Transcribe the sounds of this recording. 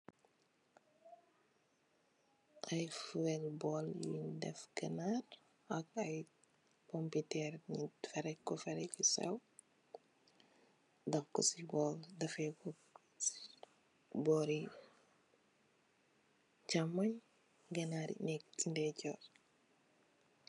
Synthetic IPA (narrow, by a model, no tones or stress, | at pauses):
ʔajfuɛlbɔljḭdɛ̰fɡɐnaɾ | ɐkɐj | kɔmpitɛɾɲifɛɾɛkːɔfɛɾɛkisɛ̰w | dɐfkɔsibɔldɐfɛkɔ | bɔːɾi | camːɐɲ | ɡɐnaɾḭnɛktindɛcɔɾ